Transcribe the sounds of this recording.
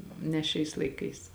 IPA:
nʲɛ ˈʃʲɛɪs lˠɐɪˈkɐɪs

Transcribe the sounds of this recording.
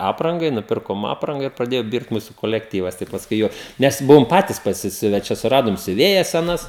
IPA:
ˈɑːprɐŋɡɐɪ nʊˈpʲɪrkoːm ˈɑːprɐŋɡɐ ɪr prɐˈdʲeːjoː ˈbʲɪrt ˈmuːsʊ koːlʲɛkˈtʲiːʋɐs tɐɪ pɐsˈkʊɪ ˈjuɔk ˈnʲɛs ˈbʊʋoːm ˈpɑːtʲɪs pɐsʲɪˈsʲʊʋʲɛ ˈt͡ʃʲɛ sʊˈrɑːdoːm sʲʊˈʋʲeːjɛs sʲɛˈnɐs

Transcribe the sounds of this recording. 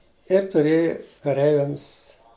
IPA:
ɪr tʊˈrʲeːjɪ kɐˈrʲɛɪʋʲɛms

